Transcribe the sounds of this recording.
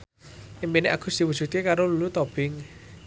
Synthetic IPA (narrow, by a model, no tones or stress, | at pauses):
ʔimpineʔakṳsd̪̥i̤wu̥d͡ʒ̥ut̪kekaɾolulut̪ɔb̥ɪŋ